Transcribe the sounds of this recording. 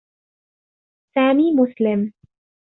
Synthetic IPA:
saːmiːmʊslɪm

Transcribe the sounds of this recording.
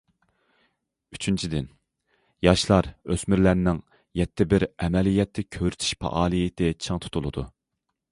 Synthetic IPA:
yt͡ʃʰynt͡ʃʰid̪ɪn | jɑʃlˠɑɾøsmyɾlæɾnɪŋ | jɛt̪ʰːɪbɪɾɛmɛlijɛt̪ʰːɪkʲʰøɾyt̪ʰy̥ʃpʰɑ̰ʔɑːlˠijɪt̪ʰɪt͡ʃʰɨŋt̪ʰu̥t̪ʰulˠɨd̪ṵ

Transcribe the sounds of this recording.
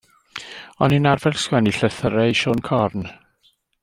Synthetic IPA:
ɔninarvɛrskwɛniɬəθəɾejʃoːnkʰɔrn

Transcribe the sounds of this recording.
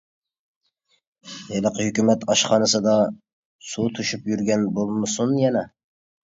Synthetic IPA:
jelˠəqʰəhykʲymɛt̪ʰɑʃχɑnɨsɨd̪ɑ | sut̪ʰuʃypjyɾɡʲɛnbolˠmɨsunjɛnɛ

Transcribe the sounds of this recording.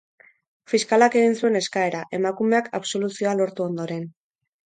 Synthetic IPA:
fiskalake̞ɣinsue̞ne̞skae̞ɾaʔe̞makume̞akaβso̞lusio̞alo̞ɾt̪uo̞nd̪o̞ɾe̞n

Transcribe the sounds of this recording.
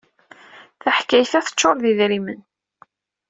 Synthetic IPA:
θaħkːæjθæθə̥t͡ʃːoɾˤðiðɾimən

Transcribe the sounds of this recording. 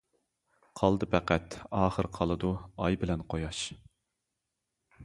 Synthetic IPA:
qʰɑlˠd̪ɨpʰæqæt̪ɑːχəɾqʰɑlˠɨd̪uɑjbɪlɛnqʰojɑʃ

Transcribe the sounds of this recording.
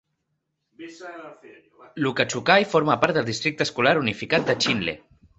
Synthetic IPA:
lukat͡ʃukajfoɾmapaɾt̪d̪əlˠd̪ist̪ɾik̚t̪əskulaɾunifikat̪̚d̪ət͡ʃinlḛ

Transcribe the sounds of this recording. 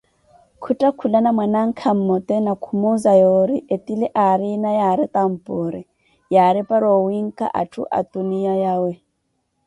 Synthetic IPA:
kʰutʼakʰulanamwɛnaŋ̩kʰam̩mɔt̪ʼɛnakʰumozajoɾiʔet̪ʼilɛʔaɾinajaɾɪt̪ʼam̩pʼʊɾɪ | jaɾɪpʼaɾowiŋ̩kʼa̰ʔa̰tʰṵʔa̰t̪ʼunijajawɛ

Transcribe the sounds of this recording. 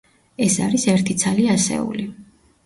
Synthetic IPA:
ɛsaɾisɛɾt̪ʰit̪sʰaliasɛ̰ṵli

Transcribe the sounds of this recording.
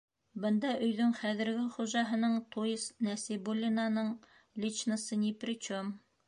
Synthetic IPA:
bɤ̆nd̪ɑʔɵ̆jðɵŋχæðɘ̆ɾɡɘχuʒɑɦɤ̆nɤɴt̪ʰuisnæsibulʲːinanɤɴ | lʲit͡ʃnəsɤnʲiprʲɪt͡ɕom

